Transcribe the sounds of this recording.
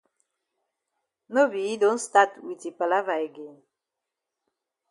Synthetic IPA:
no˦bi˨dõnsta˦twiti˨pa˨la˦vae˨ɡen

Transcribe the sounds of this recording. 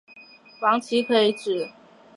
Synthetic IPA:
fɑ˧˥ŋt͡ɕʰi˧˥kʰɤ˧˥i˧˥ʈ͡ʂɻ̩˨˩

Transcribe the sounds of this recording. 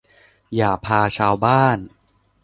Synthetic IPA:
jaː˨˩pʰaː˧t͡ɕʰaː˧wbaː˥˩n

